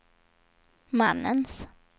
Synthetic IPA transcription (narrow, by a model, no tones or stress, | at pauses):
ma̰nːə̰ns